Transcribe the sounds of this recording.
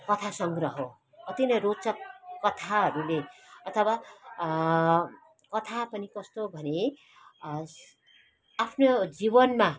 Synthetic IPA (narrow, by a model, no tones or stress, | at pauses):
kʌt̪ʰasʌŋɡrʌɦo | kʌt̪inʌjrot͡sʌkʌt̪ʰaɦʌɾuleʌt̪ʰʌwa | kʌt̪ʰapʌnikʌst̪obʱʌne | apʰnod͡zibʌnma